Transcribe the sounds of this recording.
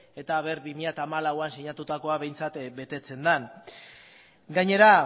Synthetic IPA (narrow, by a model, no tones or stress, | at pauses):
e̞t̪aβe̞ɾβimiʎat̪aːmalawansiɲat̪ut̪ako̞aβe̞jnt͡sat̪be̞t̪e̞t͡se̞nd̪an | ɡaɲe̞ɾa